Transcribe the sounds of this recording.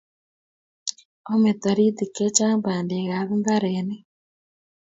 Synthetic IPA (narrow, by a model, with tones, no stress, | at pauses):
o˦me˨t̪a˨ɾi˦t̪i˨ke˦t͡ʃa˦mba˨nde˨ɣa˨βi˦ŋɡa˦ɾɛne˦